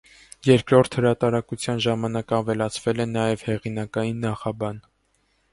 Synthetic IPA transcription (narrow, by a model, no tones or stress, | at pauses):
jɛɾkɾɔɾt̪ʰhəɾɑt̪ɑɾɑkut͡sʰjɑnʒɑmɑnɑkɑvɛlɑt͡sʰvɛlɛnɑjɛvhɛʁinɑkɑjinːɑχɑbɑn